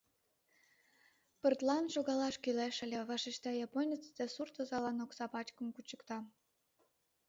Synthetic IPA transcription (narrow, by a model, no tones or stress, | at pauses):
pərt̪lɑnʃoɣɑlɑʃkyleʃə̆lʲeβɑʃeʃt̪ɑjɑponʲət͡sd̪esurt̪əzɑlɑnoksɑpɑt͡ɕkə̆mkut͡ɕəkt̪ɑ